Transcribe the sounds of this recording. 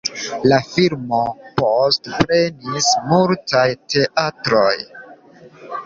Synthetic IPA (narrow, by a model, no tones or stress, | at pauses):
lafilmo̞postpɾe̞nismultajte̞ʔatɾo̞j